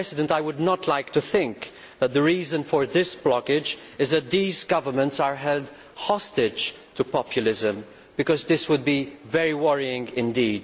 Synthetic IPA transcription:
ɛsɪdə̃ntaɪwʊdnətʰlaɪktuθɪ̃ŋk | ðət̪̚ðəɹiːzə̃nfəɹðɪsb̥lɔkɪd͡ʒ | ɪzðɨt̪̚ðiːzɡʌvə˞mə̃ntsəɹɦɛld | hɔstɪ̥d͡ʒ | tʰupɔpʰjʊlɪzə̃m | bɨkɔzðɪswʊd̚bivɛɹiwʌɹiɪ̃ŋɡɪ̃ndiːd

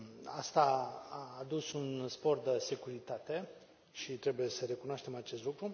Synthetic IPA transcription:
a̰st̪aaːd̪usunspo̞rd̪əse̞kuɾit̪at̪e̞ | ʃit̪ɾe̞buje̞səɾe̞kunoaʃt̪e̞mat͡ʃe̞st̪lukɾu

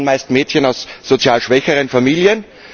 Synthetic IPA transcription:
nmaɪstmeːtçənaʊsːot͡sjaːlʃv̥ɛçəʁənfamiːljən

